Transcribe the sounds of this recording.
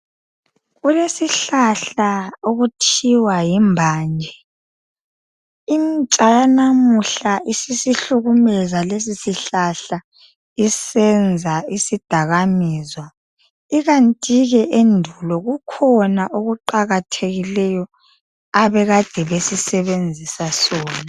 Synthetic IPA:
ɣulesiɬaɬaoɣutʰiwajimbʱaːnd͡ʒʱɛ | int͡ʃʼajanamuɬaʔisisiɬuɣumɛzales̬isiɬaɬa | isɛnd͡zʱaisid̥ʱaɣamiːzwa | iɣantʼiɣɛʔendʱulɔɣukʰɔnaʔoɣuǃaɣatʰeɣilɛjɔ | aβɛɣad̥ʱɛβesisɛβend͡zʱisasɔːna

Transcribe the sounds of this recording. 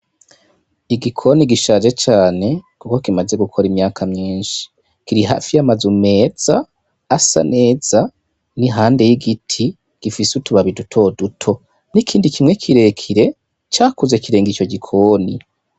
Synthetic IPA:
iɡikʰo̞niɡiʃaːʒe̞t͡ʃaːne̞kuko̞kimaze̞ɡukʰo̞ɾimɲaːkʰamɲiːnʃi̥ | kiɾiɦa̰fijamazume̞ːz̥aː | sa̰nʔe̞ːz̥a | niɦaːnde̞jiɡitʰi | ɡ̥ifisutuβaβidutʰo̞dutʰo̞ | nikʰiːndikimŋe̞kʰiɾe̞kʰiɾe̞ | t͡ʃaːkuzekiɾe̞ːŋɡit͡ʃo̞ɟikʰoːni

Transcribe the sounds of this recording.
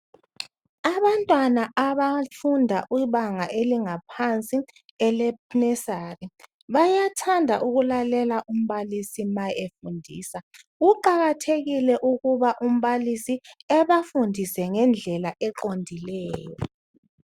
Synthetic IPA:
aβantʼwanaʔaβafundʱa̰ʔwiβaŋaʔeliŋapʰant͡sʼi | ɛlɛpnɛsaːri | βajatʰandʱaʔuɣulalɛlaʔum̩βalisimajefundʱḭːsa | uǃaɣatʰeɣilɛʔuɣuβaʔum̩βalisiɛβafundʱisɛŋɛnd͡ɮʱɛlaʔɛǃondʱilɛːjɔ̰

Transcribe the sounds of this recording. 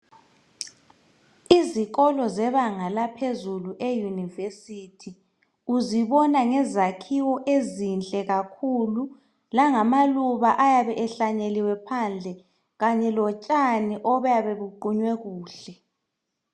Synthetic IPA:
iziɣɔlɔzɛβaŋalapʰezuluʔejunivesitʰi | uziβɔnaŋɛzakʰiwɔʔezint͡ɬʼɛɣakʰulu | laŋamaluβaʔajaβɛʔɛɬaɲeliwɛpʰand͡ɮʱɛ | ɣaɲɛlɔt͡ʃʼaniʔɔβajaβeβuǃuɲwɛɣuːɬɛ

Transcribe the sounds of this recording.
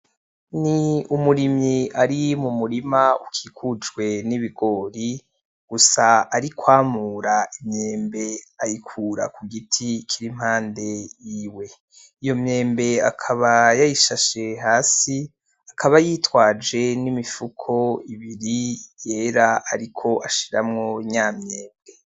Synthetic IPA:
niumuɾimɲiaɾimumuɾimaukʰiːkʰud͡ʒɡwe̞niβiɡo̞ːɾi | ɡ̥usaːɾikʰwaːmuːɾaimɲeːmbe̞ajikʰuːɾa̰kuɡitʰikʰiɾim̥haːnde̞jiːwe̞ | ijo̞mɲe̞ːmbe̞a̰kʰaβajajiʃaʃe̞ɦaːsi | akʰaβajiːtwaːd͡ʒe̞nimifukʰo̞iβiɾije̞ːɾaaɾikʰo̞ʔaʃiɾa̰mŋo̞ɲaːmɲe̞ːmbe̞

